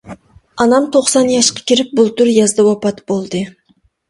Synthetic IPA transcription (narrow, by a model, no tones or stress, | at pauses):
ɑnɑmt̪ʰoχsɑnjɑʃqɑ̥kʲiɾɪp̚bulˠt̪yɾjɑzd̪ɑwɑpɑt̪bolˠd̪ɨ